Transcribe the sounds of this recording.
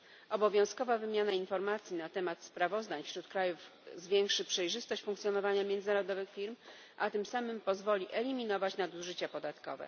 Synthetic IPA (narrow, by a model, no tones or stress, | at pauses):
ɔbɔvʲjɔ̃w̃skɔvavɘmʲjanainfɔɾmat̪sʲjinat̪ɛmat̪spɾavɔzd̪aɲfɕɾut̪kɾajufzvʲjɛŋkʂɘpʂɛjʐɘst̪ɔɕt͡ɕfuŋkt̪sjɔnɔvaɲamʲjɛnd̪zɘnaɾɔd̪ɔvɘxfʲiɾm | ʔat̪ɘmsamɘmpɔzvɔlʲiʔɛlʲimʲinɔvat͡ɕnad̪uʐɘt͡ɕapɔd̪at̪kɔ̰vɛ̰